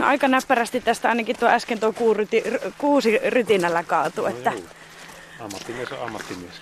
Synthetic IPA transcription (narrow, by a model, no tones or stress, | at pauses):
n̰ʔɑikɑnæpːæræst̪it̪t̪æst̪æɑinɑkit̪t̪uɑæskent̪uokuːryt̪irkuːsiryt̪inælːækɑːt̪uet̪ːæ | ɑmːɑt̪ːimiesɑ̰mːɑt̪ːimies